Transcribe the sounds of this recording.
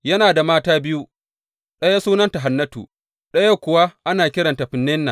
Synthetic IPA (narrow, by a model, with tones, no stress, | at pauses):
jɐ˦naː˨da˨maː˦taː˦bɪ˦ju˦ | ɗɐ˦ja˦suː˦nɐ˦nta˨ɦa˨nːɐ˦tṵː˨ | ɗɐ˦ja˦kʷʊ˨wa˦ʔa˦naː˨kʲɪ˦ɽɐ˨nta˨ɸɪ˨nːɛ˦nːa˨